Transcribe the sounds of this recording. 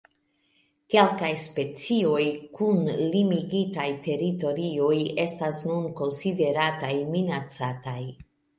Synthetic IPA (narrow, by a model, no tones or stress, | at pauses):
ke̞lkajspe̞t͡sio̞jkunlimiɡitajte̞ɾito̞ɾio̞je̞stasnunko̞nside̞ɾatajminat͡sataj